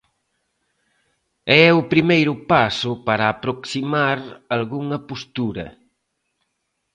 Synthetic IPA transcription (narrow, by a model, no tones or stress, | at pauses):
ɛʊpɾimejɾʊpasʊpaɾaːpɾoksimaɾalɣuŋɐpost̪uɾɐ̰